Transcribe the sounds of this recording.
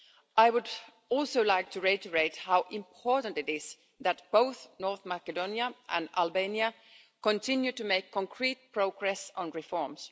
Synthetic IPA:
ʔajwʊd | ɔlˠsoʊlajk̚tʰuɹeɪtəɹeɪthawʔɪ̃mpʰɔɹtə̃ntɪtɪz | ðæt̚b̥oʊθnɔɹθmakɛdõnjaʔæ̰̃na̰lbẽnia | kɔ̃ntʰɪ̃njutumeɪkʰːɔ̃ŋkʰɹit̚pɹoʊɡɹɛsɔ̃nɹifɔɹms

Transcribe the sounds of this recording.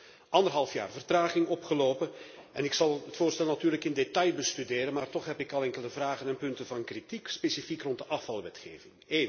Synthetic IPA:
ʔɑndərɦɑlˠfja̰ːrvərtraːχɪŋɔpχəloːpənɛnɪksɑlˠətfoːrstɛlˠnatyːrləkɪndetɑjbəstydeːɾənmaːrtɔχɦɛpɪkɑlˠɛŋkələvraːɣənɛnpɵntəvɑnkritikspesifikrɔntdəʔɑfɑlˠʋɛtxḛːvɪŋeːn

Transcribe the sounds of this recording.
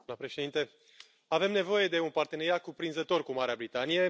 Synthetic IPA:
nəpɾeʃed̪int̪e | ave̞mne̞vo̞je̞d̪e̞unpart̪e̞ne̞ɾiat̪̚kupɾinzət̪o̞rkumaɾeabɾit̪anije̞

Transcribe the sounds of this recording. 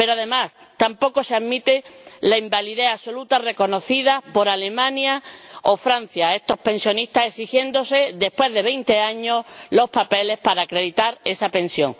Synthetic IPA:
pe̞ɾoaðe̞mas | t̪ampo̞ko̞seaðmit̪elaimbaliðe̞aso̞lut̪are̞ko̞no̞θiðapo̞ɾale̞mãnjao̞fɾan̟θjae̞st̪o̞hpe̞nsjo̞nist̪ase̞sixje̞nd̪o̞se̞ðe̞hpwe̞zðe̞βe̞jnt̪e̞aɲo̞slo̞spape̞le̞hpaɾaːkɾe̞ðit̪aɾe̞sapẽ̞nsjo̞̰ŋ

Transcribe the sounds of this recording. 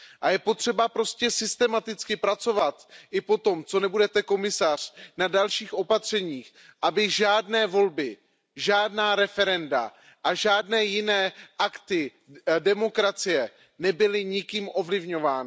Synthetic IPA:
ʔajɛpo̞t̪r̝̥ɛbapɾo̞scɛsɪst̪ɛmat̪ɪt͡skɪpɾat͡so̞vat̪ʔɪpo̞t̪o̞mt͡so̞nɛbudɛt̪ɛko̞mɪsar̝̥nadalʃiːxʔo̞pat̪r̝̥ɛɲiːx | ʔabɪʒaːdnɛːvo̞lbɪ | ʒaːdnaːɾɛfɛɾɛnda̰ | ʔaʒaːdnɛːjɪnɛːʔakt̪ɪ | dɛmo̞kɾat͡sɪjɛ | nɛbɪlɪɲɪkiːmʔo̞vlɪvɲovaːnɪ

